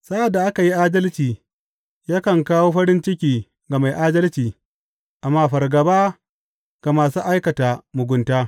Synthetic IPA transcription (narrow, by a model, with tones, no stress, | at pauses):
sa˦ʔa˨dːa˨ʔa˦ka˨ji˦ʔaː˦dɐ˦lt͡ʃiː˨ | jaː˦kɐ˨ŋkaː˦woː˦ɸɐ˦ɾɪ˦nt͡ʃɪ˦kʲiː˨ | ɡa˨ma˨jʔaː˦dɐ˦lt͡ʃiː˨ | ʔa˨mːaː˦ɸɐ˨rɡɐ˨baː˦ | ɡ̥a˨maː˨su˦ʔa˦jkɐ˨ta˨mʊ˨ɡʷʊ˨ntaː˦